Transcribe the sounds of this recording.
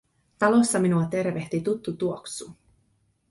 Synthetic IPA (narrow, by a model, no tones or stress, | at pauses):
t̪ɑlo̞sːɑminuɑt̪e̞rʋe̞ht̪it̪ut̪ːut̪uoksu